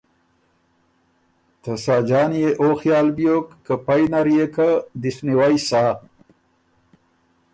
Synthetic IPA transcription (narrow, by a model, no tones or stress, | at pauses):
t̪əsaːd͡ʒɑːnjeʔoxjɑːlbjokːəpajnaɾijekad̪isniwajsaː